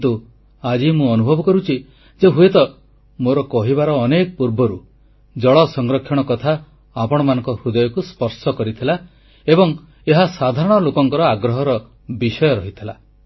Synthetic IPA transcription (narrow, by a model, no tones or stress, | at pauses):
t̪u | ad͡ʒimũɔnubʱɔbɔkɔɾut͡ʃʰi | d͡ʒeɦujet̪ɔ | moɾɔkɔɦibaɾɔːnekɔpuɾbɔɾu | d͡ʒɔɭɔsɔŋɡɾɔkʰjɔɽ̃ɔkɔt̪ʰa | apɔɽ̃ɔmanɔ̃ŋkɔhud̪ɔjɔkuspɔɾsɔkɔɾit̪ʰila | ebɔŋ | eɦasad̪ʱaɾɔɽ̃ɔlokɔŋkɔɾɔaɡɾɔɦɔɾɔ | bisɔjɔɾɔɦit̪ʰila